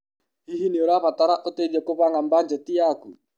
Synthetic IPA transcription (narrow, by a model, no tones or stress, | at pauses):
hiɦinioɾapat̪aɾaʔot̪ed͡ʒakoβaŋamband͡ʒɛt̪iaku